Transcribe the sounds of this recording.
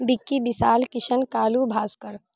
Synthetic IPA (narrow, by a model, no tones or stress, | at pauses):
bɪkːib̪ɪsaːlkɪʃənkaːlubʱaːskəɾ